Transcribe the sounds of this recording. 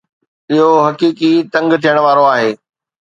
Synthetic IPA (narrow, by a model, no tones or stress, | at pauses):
ɪɦoɦɐkiːkit̪ɐ̃ŋɡt̪ʰijəɽ̃ʋaːɾoaːɦeː